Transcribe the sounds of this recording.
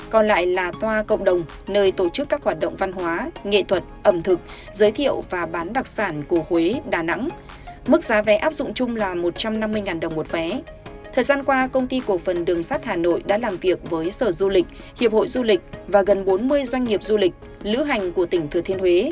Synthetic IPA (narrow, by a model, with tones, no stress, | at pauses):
kɔ˨˩nla̰ː˧˨jlaː˨˩t̪waː˧kə̰˧˨ŋ͡mɗə˨˩wŋ͡m | nəː˧jt̪o˧˩t͡ɕɨ˦˥kːaː˦˥k̚hwaː˨˩t̚ɗə̰˧˨ŋ͡mva˧nhwaː˨˦ŋḛ˧˨t̪ʰwə˨˩t̚ʔə˧˩mt̪ʰɨ˨˩k̚ | zəː˨˦jt̪ʰḭ˧˨əwvaː˨˩ɓaː˨˦nɗa˨˩k̚saː˧˩nku˧˩əhwe˨˦ɗaː˧˩na̰˧˥ŋ | mɨ˦˥k̚zaː˨˦vɛ˨˦ʔaː˦˥p̚zʊ̰˧˨ŋ͡mt͡ɕʊ˧ŋ͡mlaː˨˩mo˨˩t̚t͡ɕa˧mna˧mːɨ˧əjŋaː˨˩nɗə˨˩wŋ͡mmo˨˩t̚vɛ˨˦ | t̪ʰəː˨˩jzaː˧nkwaː˧kə˧wŋ͡mt̪i˧ko˧˩fə˨˩nɗɨ˨˩əŋsaː˦˥t̚haː˨˩no̰˧˨jɗa̰ː˧˥laː˨˩mvi˨˩ək̚vəː˨˦jsəː˧˩zu˧lï˨˩k̚ | hḭ˨˧˨əp̚ho̰˧˨jzu˧lï˨˩k̟̚vaː˨˩ɣə˨˩nɓo˨˦nmɨ˧əjzwa˧jŋ̟ŋi˨˩əp̚zu˧lï˨˩k̟̚ | lɨ̰˧˥ɦa˨˩jŋ̟ku˧˩ət̪ï˧˩ŋ̟t̪ʰɨ˨˩ət̪ʰi˧ənhwe˨˦